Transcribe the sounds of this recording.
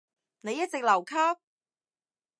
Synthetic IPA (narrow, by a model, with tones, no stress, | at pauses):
ne˨˧jɐ˥t̚t͡sɪ˨k̚lɐ˨˩wkʰɐ˥p̚